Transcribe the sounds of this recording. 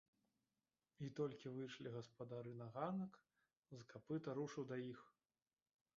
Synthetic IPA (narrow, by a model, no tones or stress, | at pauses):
it̪ɔlʲkʲivɨjʂlʲiɣɐspɐd̪aɾɨnaɣanɐk | zɐkapɨt̪ɐɾuʂɨwd̪ɐjix